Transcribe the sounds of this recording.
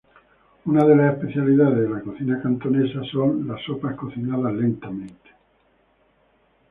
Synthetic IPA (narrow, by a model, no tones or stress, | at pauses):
unaðelasespeθjaliðaðezðelakoθinakant̪onesasonlasːopaskoθinaðazlent̪ament̪e̥